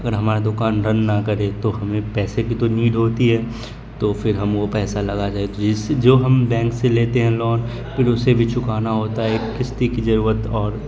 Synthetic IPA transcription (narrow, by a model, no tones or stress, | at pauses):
ɐɡəɾɦɐmaːɾad̪ʊkaːnɾɐnːakɐɾet̪oɦɐmẽpɛːsekit̪oniːɖɦoːt̪iɦɛː | t̪ofʰɪɾɦɐmopɛːsalɐɡad͡ʒaːɦet̪od͡ʒɪsd͡ʒoːɦɐmbɛ̃ːŋkseleːt̪eɦɛ̃lɔːn | pʰɪɾʊsebʱit͡ʃʊkaːnaɦoːt̪aɦɛkɪst̪ikizɐɾuːɾət̪ɔːɾ